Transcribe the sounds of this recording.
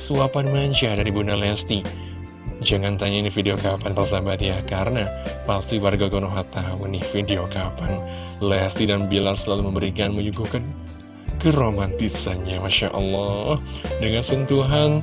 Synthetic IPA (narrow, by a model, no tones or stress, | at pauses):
suapanmaɲd͡ʒadaɾibunalɛst̪i | d͡ʒaŋant̪aɲanɪfideokapant̪ərsabat̪jahkarənapast̪iwarɡakonoɦat̪aunihfideokapan | lest̪idanbilarsəlaluməmbəɾikanməɲukukan | kəɾomant̪isanɲamaʃaʔɔ̰lːɔhdəŋansənt̪uɦan